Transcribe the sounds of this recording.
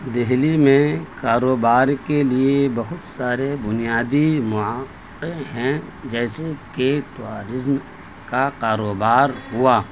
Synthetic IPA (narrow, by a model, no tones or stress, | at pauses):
d̪ɪɦlimẽkaːɾoːbaːɾkeliebɐɦʊt̪saːɾebʊnijaːd̪imʊaː | eɦɛ̃ | d͡ʒɛːsekeʈuaːɾɪzm | kakaːɾoːbaːɾɦʊaː